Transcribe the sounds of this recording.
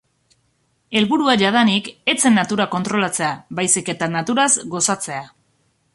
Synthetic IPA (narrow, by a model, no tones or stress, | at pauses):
e̞lβuɾuaʝaðanike̞t͡se̞nːat̪uɾako̞nt̪ɾo̞lat͡se̞aβajsike̞t̪anat̪uɾazɡo̞sat͡se̞a